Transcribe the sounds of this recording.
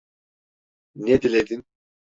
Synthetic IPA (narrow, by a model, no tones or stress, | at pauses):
ned̪iled̪in